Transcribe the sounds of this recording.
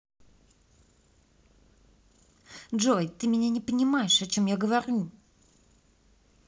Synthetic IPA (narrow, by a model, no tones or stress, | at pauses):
ʐojt̪ɨmʲɪnʲanʲɪpənʲɪmajɪʂɐt͡ɕo̞mjaɡəvɐɾʲu